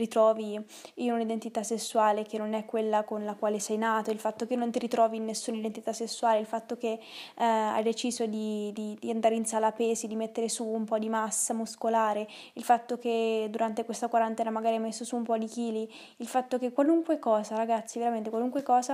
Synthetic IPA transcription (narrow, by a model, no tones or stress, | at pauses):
rit̪ɾɔːvi | inunid̪ent̪it̪asːesːuaːlek̟enːonɛkːwelːakonlakwaːlesɛjnaːt̪oilfat̪ːokenont̪iɾit̪ɾɔːviːnːesːuːnaid̪ent̪it̪asːesːuaːleilfat̪ːok̟e | a̰jd̪et͡ʃiːzod̪id̪id̪iand̪aːɾeinsaːlapeːsid̪imet̪ːeɾesuːmpɔd̪imasːamuskolaːɾe | ilfat̪ːok̟ed̪uɾant̪ekwest̪akwaɾant̪ɛːnamaɡaːɾimesːosuːmpɔd̪ikiːli | ilfat̪ːok̟ekːwaluŋkwekɔːzaɾaɡat̪sːiveɾamẽnt̪ekwaluŋkwekɔːza